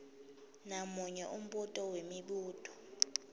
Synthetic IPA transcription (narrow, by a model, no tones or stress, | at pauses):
namuɲɛʔum̩ɓutʼɔwemiɓuːtʼɔ̥